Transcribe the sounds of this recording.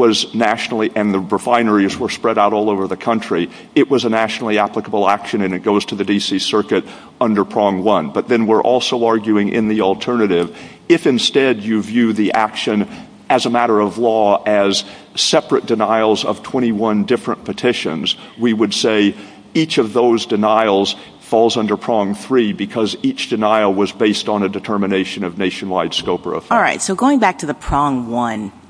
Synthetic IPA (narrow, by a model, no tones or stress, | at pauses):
wʌznæʃnl̩ˠiʔɨ̃nðɨɹəfãɪ̃nə˞izwə˞spɹɛɾaʊɾɔlˠoʊvə˞ðɨkʰʌ̃nt͡ʃɹ̥i | ɨʔ̚wʌzənæʃnl̩ˠiæpləkəbl̩ˠækʃɨ̃nɨ̃nɨt̚ɡ̥oʊz̥tʰɨðɨdisisɜ˞kɨɾ | ʌ̃ndə˞pʰɹ̥ɔ̃ŋwʌ̃nbʌt̪̚ðɨ̃nwɪɹʔɔ̰lˠsoʊɑɹɡjʉɪ̃ŋʔɪ̰̃nðil̩ˠtʰɜ˞nɨɾɪv | ɪfɨ̃nstɛdɨvjʉðiʔækʃɨ̃n | ɨzəmæɾə˞ʌvlɔɨz̥ | sɛpɹɨt̚d̥ɨnaɪl̩ˠzʌ̰v̥tʰw̥ɛ̃ɾ̃iwʌ̃ndɪfɹə̃npʰɨtʰɪʃɨ̰̃nzwiwɨdseɪ | it͡ʃʌvðoʊzdɨnaɪl̩ˠz̥ | fɔlˠzʌ̃ndə˞pʰɹ̥ɑ̃ŋθɹibɨkʰʌzit͡ʃd̥ɨnaɪl̩ˠwʌzbeɪstn̩ɨdɨtʰɜ˞mɨneɪʃɨ̃nʌvneɪʃɨ̃n̩laɪd̥skoʊpə̰˞ʌ̰fɹaɪtsoʊɡoʊɪ̃ŋbæk̚tʰɨðɨpʰɹ̥ɔ̃ŋwʌ̃n